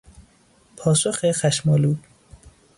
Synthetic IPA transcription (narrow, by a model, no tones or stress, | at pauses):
pʰɒːsoxexæʃmɒːluː